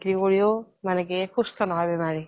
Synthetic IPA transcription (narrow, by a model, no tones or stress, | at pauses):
kɾikoɹio | manɛkekʰust̪ʰɔnɔɦɔjbɛmaɹi